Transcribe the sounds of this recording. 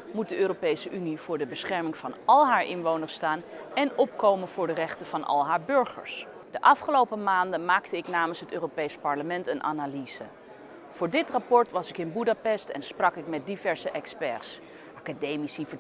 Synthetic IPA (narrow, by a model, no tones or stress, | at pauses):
mut̚dəʔøːɾopejsəʔyniv̥ʊːɹdəbəsχɛɹmɪŋvɑnɑlˠɦaːɹʔɪnʋownəɹstaːnɛnɔpkowmənv̥ʊːɹdərɛχtəv̥ɑnʔɑ̰lˠɦaːɹbɵɹχə̰ɹs | d̥əʔɑfχəlowpəmaːndənmaːktəɪknaːmənsɦətøːropejspɑɹləmɛntənʔa̰ːnaliz̥ə̰ | v̥ʊːɹdɪtrapɔɹtʋɑsɪkɪnbudapɛstɛ̰nsprɑkɪkmɛt̚divɛɹsəʔɛkspɛɹs | ʔaːkadejmisivə